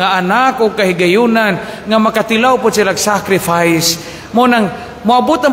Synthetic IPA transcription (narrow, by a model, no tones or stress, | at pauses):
aʔanakʊɡ̚kahiɡajunanŋamakat̪ɪlawpʊd̪silaɡsakɾɪfajs | mʊnaŋ | mʊabʊt̪a